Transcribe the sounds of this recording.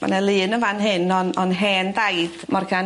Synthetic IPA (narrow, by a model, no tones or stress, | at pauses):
ma̰nəlˠɨːnəvanɦɨnɔnɔnɦɛːndajd̥mɔrkʰa